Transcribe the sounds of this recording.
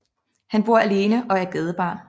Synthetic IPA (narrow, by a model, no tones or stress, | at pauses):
hænb̥oɐ̰æle̝ːnəʔɒ̽æɐɡ̥ɛːð̞ˠəb̥ɑ̈ː